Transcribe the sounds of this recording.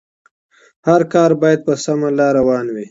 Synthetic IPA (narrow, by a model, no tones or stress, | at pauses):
haɾkɑːɾbɑːjad̪̚pəsamalaɾawɑːnwi